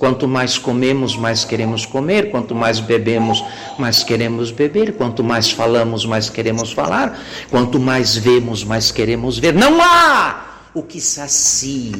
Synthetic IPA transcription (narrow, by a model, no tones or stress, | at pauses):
kwɐ̃nt̪ʊmajskomẽmʊzmajskeɾẽmʊskomeɾkwɐ̃nt̪ʊmajzbebẽmʊs | majskeɾẽmʊzbebeɾkwɐ̃nt̪ʊmajsfalɐ̃mʊzmajskeɾẽmʊsfa̰laɾ | kwɐ̃nt̪ʊmajzvẽmʊzmajskeɾẽmʊzveɾnɐ̃w̃a | ʊkɪsasi